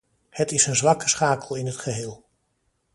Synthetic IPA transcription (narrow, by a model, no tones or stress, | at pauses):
hətɪsənzʋɑkə̥sχaːkəlˠɪnɦətχəɦɪːlˠ